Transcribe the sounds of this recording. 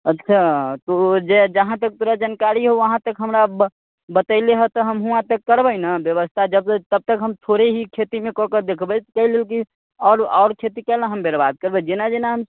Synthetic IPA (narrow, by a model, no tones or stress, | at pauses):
ətːʃʰat̪od͡ʒed͡ʒəɦãt̪ək̚t̪uɾad͡ʒənkaɾiɦoʋəɦãt̪əkɦəmɾa | bət̪əɪleɦɛt̪ɔɦəmɦuãt̪əkːəɾbənabjəʋəst̪ʰad͡ʒəb̚t̪əb̚t̪əkɦəmt̪ʰoɾeɦikʰet̪imẽkɔ̃kəd̪ekʰbət̪kəɦilelki | ɔːɾɔːɾkʰet̪ikɛlãɦəmbʱeɾbad̪̚kəɾbɛd͡ʒenad͡ʒenaɦəm